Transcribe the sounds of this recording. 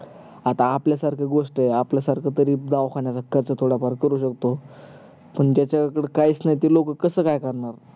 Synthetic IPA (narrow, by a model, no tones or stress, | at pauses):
at̪aːpljasaɾkʰeɡoʂʈeapljasaɾkʰət̪əɾiːd̪aʋkʰaɳjasakːəɾt͡sət̪ʰoɽapaɾkəɾuːɕəkt̪o | pəɳd͡ʑjat͡ɕakəɽekait͡snajit̪ilokəkːəsəːkajkəɾɳaɾ